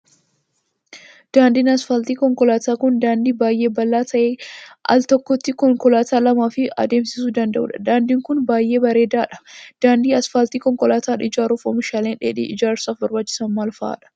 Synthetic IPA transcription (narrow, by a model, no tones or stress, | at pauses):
d̪̥aːnd̪iːnɐsfɐlt̪iːkɔŋkɔlaːt̪aːkʊnd̪aːnd̪iːbaːjʔe̞ːbɐlːaːt̪ʰɐʔeːʔɐ̰lt̪ɔkːɔt̪ːɪkɔŋkɔlaːt̪aːlɐmaːfɪɐ̰d̪e̞ːmsɪsuːd̪ɐnd̪ɐ̰ʔṵːᶑɐd̪aːnd̪iːŋkʊnbaːjʔe̞ːbɐɾe̞ːd̪aːᶑɐ̥d̪̥aːnd̪iːɐsfɐlt̪iːkɔŋkɔlaːt̪aːᶑɐɪd͡ʒaːɾuːfɔ̰mɪʃaːleːnᶑḛːᶑḭːʔɪd͡ʒaːɾsaːfbɔɾbaːt͡ʃːɪ̥sɐnmaːlfa̰ːᶑɐ̥